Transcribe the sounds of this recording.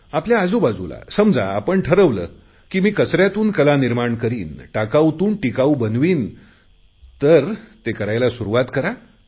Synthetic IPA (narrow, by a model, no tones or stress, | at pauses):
apljaːd͡zobad͡zula̰səmd͡za̰apəɳʈʰəɾəʋlə̰ː | kiːmiːkət͡sɾjat̪uːnkəlaniɾmaɳkəɾiːnʈakawt̪uːnʈikaubənʋiːn | t̪əɾt̪ekəɾajlasuɾuʋat̪kəɾa